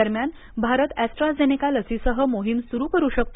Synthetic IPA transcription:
əɾmjan | bʱaɾət̪æsʈɾad͡zenikaləsisəɦəmoɦimsuɾuːkəɾuːɕək̚t̪o

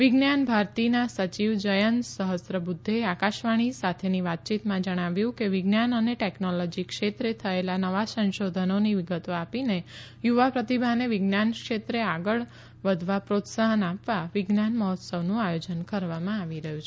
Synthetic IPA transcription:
ʋɪɡnanbʱaɾt̪inasət͡ʃiʋd͡ʒəjənsəɦəsɾəbud̪ʱːeakaʃʋaɽ̃isat̪ʰeniʋat̪̚t͡ʃit̪mãd͡ʒəɽ̃aʋjũkeʋɪɡnanəneʈeknolɔd͡ʒikʃet̪ɾet̪ʰəelanəʋasə̃ʃod̪ʱənoniʋɪɡət̪oapine | juʋapɾət̪ibʱaneʋɪɡnankʃet̪ɾeaɡəɭ | ʋəd̪ʱʋapɾot̪saɦənapʋaʋɪɡnanməɦɔt̪səʋnũajod͡ʒənkəɾʋamãaʋiɾəɦjũt͡ʃʰe

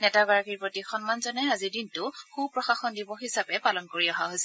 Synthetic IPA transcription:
nɛtaɡaɹakiɹpɹotixɔnmanzɔnɛazidintʊxupɹɔxaxɔndibɔɦisapɛpalɔnkoɹiɔɦaɦojsɛ

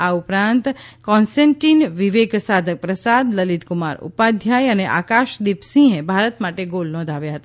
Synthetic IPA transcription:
aupɾãnt̪kɔ̃nsʈẽɳʈinʋiʋeɡsad̪ʱək̚pɾəsad̪ləlit̪kumaɾṵpad̪ʱjajəneʔa̰kaʃd̪ipsĩɦẽbʱaɾət̪maʈeɡolnɔ̃d̪ʱaʋjaɦət̪a

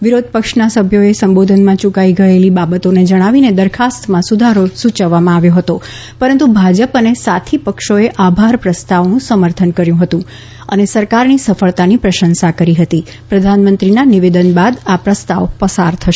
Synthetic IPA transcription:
ʋiɾod̪̚ʱpəkʃnasəbʱjoesəmbod̪ʱənmãt͡ʃukaiɡəelibabət̪oned͡ʒəɽ̃aʋined̪əɾkʰast̪mãsud̪ʱaɾosut͡ʃəʋːamãaʋjoɦət̪o | pəɾənt̪ubʱad͡ʒəpənesat̪ʰipəkʃoeʔabʱaɾpɾəst̪aʋnũsəməɾt̪ʰənkəɾjũɦət̪ũ | ə̰nesəɾkaɾnisəfəɭt̪anipɾəʃənsakəɾiɦət̪i | pɾəd̪ʱanmə̃nt̪ɾinaniʋed̪ənbad̪apɾəst̪aʋpəsaɾt̪ʰəʃe

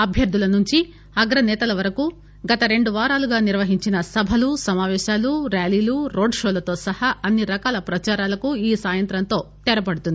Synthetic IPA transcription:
ɐbʱjɐɾd̪ʱulɐnuɲt͡ʃi | ɐɡɾɐnɛːt̪ɐlɐʋɐɾɐku | ɡɐt̪ɐɾe̞ɳɖuʋaːɾaːluɡaːniɾʋɐɦiɲt͡ʃinɐsɐbʱɐlusɐmaːʋɛːʃaːluɾaːliːluɾo̞ːɖʂoːlɐt̪o̞ːsɐhɐɐnːiɾɐkaːlɐpɾɐt͡ʃaːɾaːlɐkuiːsaːjɐnt̪ɾɐnt̪o̞ːt̪ɛɾɐpɐɽut̪und̪i

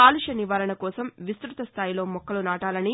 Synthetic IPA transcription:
aːluʂɐniʋaːɾɐɳɐkɔːsɐmʋist̪ɾut̪ɐst̪ʰaːjilo̞ːmɔkːɐlunaːʈaːlɐni

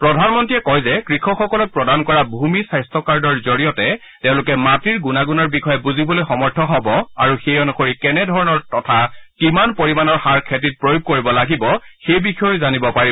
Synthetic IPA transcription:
pɹɔdʱanmɔntijɛkɔjzɛkɹixɔxɔkɔlɔk̚pɹɔdankɔɹabʱumisajstʰɔkaɹdɔɹzoɹijɔtɛ | tɛ̃ʊ̃lʊkɛmatiɹɡunaɡunɔɹbixɔjɛbuzibɔlojxɔmɔɹtʰɔɦɔbɔa̰ɹuxejɔnuxoɹikɛnɛdʱɔɹɔnɔɹtɔtʰakimanpoɹimanɔɹxaɹkʰetit̚pɹojuɡ̚koɹibɔlaɡibɔxejbixɔjzanibɔpaɹi

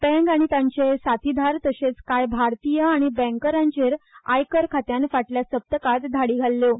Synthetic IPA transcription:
bɛ̃ŋkaɽ̃it̪ãɲt͡ɕesat̪id̪ʱaɾt̪əɕet͡skajbʱaɾt̪ijəaɽ̃ibɛ̃ŋkəɾãɲt͡ɕeɾajkəɾkʰat̪jãnfaʈljasəp̚t̪əkat̪d̪ʱaɽiːɡʱalːo

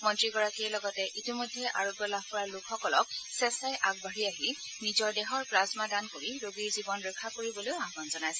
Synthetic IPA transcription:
mɔntɹiɡɔɹakiɛlɔɡɔtɛʔitimɔjdʱːɛʔa̰ɹɔbjɔlabpɔɹalʊkʰxɔkɔlɔksɛsajʔaɡ̚bʱaɹiaɦi | nizɔɹdɛɦɔɹpɹazmadankoɹiɹoɡiɹzibɔnɹɛkʰːakoɹibɔlojaɦɡɔnzɔnajsɛ

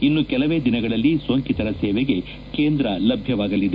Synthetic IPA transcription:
inːukɛlɐʋe̞ːd̪inɐɡɐɭɐlːisʋɐŋkit̪ɐɾɐseːʋeɡe̞ | keːnd̪ɾɐlɐbʱjɐʋaːɡɐlːid̪e

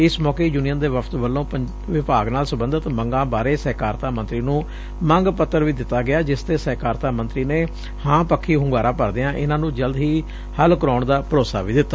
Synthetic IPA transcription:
ɪsmɔːkeːd͡ʒuːnijə̃ːd̪eːʋəpʰt̪ʋəlːõːpə | ʋɪpaːɡnaːlsəbənd̪ət̪məŋɡãːbaːɾeːsɛːkaːɾt̪aːmə̃nt̪ɾiːnũː | məŋɡpət̪ːəɾʋiːd̪ɪt̪ːaːɡɪaːd͡ʒɪst̪eːsɛːkaːɾt̪aːmənt̪ɾiːneː | hãːpəkʰːiːɦʊŋɡaːɾaːpəɾd̪eãːʔɪnãːnũːd͡ʒəld̪ɦiː | həlkəɾɔːɳd̪aːpəɾoːsa̰ːʋiːd̪ɪt̪ːaː

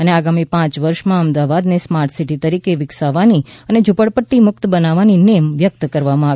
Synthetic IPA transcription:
əneaɡamipãt͡ʃʋəɾʃmãəmd̪aʋad̪nesmaɾʈsiʈit̪əɾikeʋɪksaʋaniəned͡ʒʊpəɽpəʈːimʊkt̪bənaʋaninemʋjək̚t̪kəɾʋamãaʋ

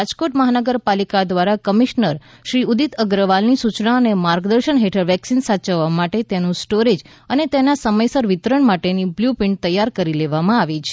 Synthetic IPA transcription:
ad͡ʒkoʈməɦanəɡəɾpalikad̪ʋaɾakəmiʃnəɾ | ʃɾiud̪it̪əɡɾəʋalnisut͡ʃnaənemaɾɡd̪əɾʃəɳɦeʈʰəɾʋɛksinsat͡ʃəʋːamaʈet̪enũsʈoɾed͡ʒ | ənet̪enasəməjsəɾʋɪt̪ɾəɳmaʈenibljupɪɳʈ̚t̪əjːaɾkəɾileʋamãaʋet͡ʃʰe

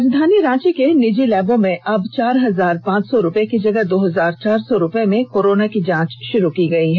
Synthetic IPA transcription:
d̪ʱaːnjiɾãːt͡ʃkenɪd͡ʒilɛːbõmẽʔɐbt͡ʃaːɾɦɐzaːɾpãːt͡ʃsɔɾʊpekid͡ʒɐɡəɦd̪oːɦɐzaːɾt͡ʃaːɾsɔɾʊpemẽkoːɾoːnakid͡ʒãːt͡ʃʃʊɾukiɡɐiɦɛ

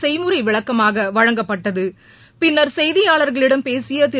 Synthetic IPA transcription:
sɛɪmɯɾɐɪʋɪɭɐkːɐmaːɣɐʋɐɻɐŋɡɐpːɐʈːɐðɯ | pɪnːɐɾsɛjðɪjaːɭɐɾɣɐɭɪɽɐmpeːsɪjɐt̪ɪ

